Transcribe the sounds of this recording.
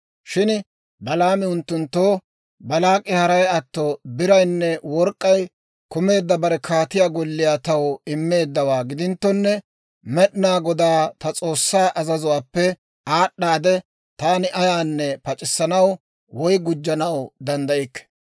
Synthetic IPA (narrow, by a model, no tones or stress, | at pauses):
ʃɪn | bɐlaːmɪʊnt̪ːʊnt̪ːoː | bɐlaːkʼːɪhɐɾɐjɐt̪ːɔbɪɾɐjnːɛwɔɾkʼːɐj | kʊme̞ːd̪ːɐbɐɾɛkʰaːt̪ɪjaːɡɔlːɪjaːt̪ɐwɪmːe̞ːd̪ːɐwaːɡɪd̪ɪnt̪ːɔnːɛ | mɛɗɪnaːɡɔd̪aːt̪ɐt͡sʼo̞ːsːaːʔɐzɐzʊwaːpːɛ | aːɗːaːd̪ɛ | t̪aːnɪʔɐjaːnːɛpɐt͡ʃʼɪsːɐnɐw | wɔjɡʊd͡ʒːɐnɐwd̪ɐnd̪ɐʔɪkːɛ̥